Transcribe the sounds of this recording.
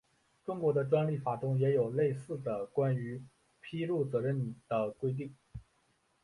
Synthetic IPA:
ʈ͡ʂʊ˥ŋkwɔ˧˥d̪ə˧ʈ͡ʂwa˥nli˥˩fa˨˩t̪ʊ˥ŋjɛ˧˥jo˨˩ʊle˥˧ɪsɹ̩˥˩d̪ə˩kwa˥ny˧˥ | pʰi˥lu˥˩t͡sɤ˧˥ɻə˥˩nd̪̥ə˩kwe˥ɪt̪̬i˥˩ŋ

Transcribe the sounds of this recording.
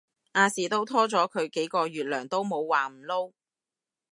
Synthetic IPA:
ʔaː˧siː˨˩t̪o˥wt̪ʰɔː˥t͡sɔː˨˥kʰɵ˨˧ɥke˨˥jkɔː˧jyː˨t̚lœː˨˩ŋt̪o˥wmo˨˧wwaː˨˩m̩˨˩lo˥w

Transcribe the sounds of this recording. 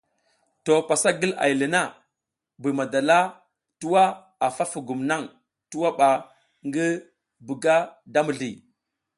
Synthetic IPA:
to˨pa˨sa˦ɡi˦la̰˨jli˨na˦ | bi˨ma˨da˨la˦ | tu˦wa˦ | a˨fa˦fu˨ɡu˨mna˦ŋ | tu˦wa˦ɓa˨ | ŋɡi˦ | bu˨ɡa˦da˦mu˨ɮi˨

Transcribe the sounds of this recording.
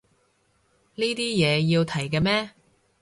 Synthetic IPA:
niː˥t̪iː˥jɛː˨˧jiː˧wt̪ʰɐ˨˩jkɛː˧mɛː˥

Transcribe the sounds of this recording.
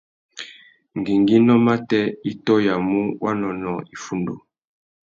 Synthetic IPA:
ŋ˨ɡi˨ŋɡi˦nɔ˦ma˦tɛ˦i˦tɔ˦ja˨mu˦wa˦nɔ˨nɔ˨i˨fu˦ndo̰˨

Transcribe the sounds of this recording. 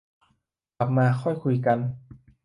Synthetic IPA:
a˨˩p̚maː˧xʰɔ˥˩jkʰu˧jka˧n

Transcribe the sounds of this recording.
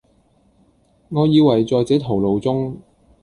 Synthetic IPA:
ŋɔː˨˧jiː˨˧wɐ˨˩jt͡sɔː˨˧jt͡sɛː˨˥t̪ʰo˨˩wlo˨˧wt͡sʊ˥ŋ

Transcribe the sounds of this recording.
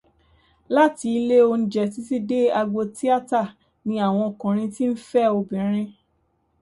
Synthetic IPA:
la˦ti˧i˧le˦o˧ñ̩˨˧d͡ʒɛ˨ti˨˦ti˦de˦a˧ɡ͡bo˧ti˦a˦ta˦˨ | nĩ˧˦a˦˨w̃ɔ̃˧ɔ˨kã˨ɾ̃ĩ˧ti˦n̩˦fɛ˦˨o˧bĩ˨ɾ̃ĩ˧

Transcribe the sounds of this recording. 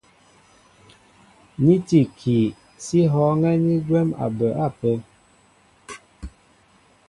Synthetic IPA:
ni˦ti˨kʰi˨ | si˦ɦɔ˨˦ŋɛ˦ni˦ɡwɛ˦ma̰˨bə˨ʔa˦˨pə˦

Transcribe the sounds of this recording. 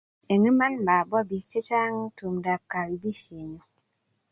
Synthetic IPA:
e˨ŋe˦ma˦nma˨bɔ˦bi˨kt͡ʃe˦t͡ʃa˦ŋ˦tu˨mda˨p̚ka˨wi˨bi˦ʃe˨ɲo˨

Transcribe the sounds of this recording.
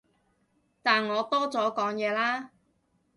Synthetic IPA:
t̪aː˨nŋɔː˨˧t̪ɔː˥t͡sɔː˨˥kɔː˨˥ŋjɛː˨˧laː˥

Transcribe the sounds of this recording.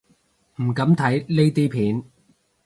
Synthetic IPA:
m̩˨˩kɐ˨˥mt̪ʰɐ˨˥jle˥jt̪iː˥pʰiː˨˥n

